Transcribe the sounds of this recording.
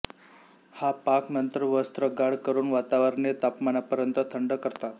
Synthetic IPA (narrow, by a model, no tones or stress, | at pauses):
hapaknənt̪əɾʋəst̪ɾəɡaɽkəɾuːnʋat̪aʋəɾɳet̪apmanapəɾjənt̪ət̪ʰəɳɖəkəɾt̪at̪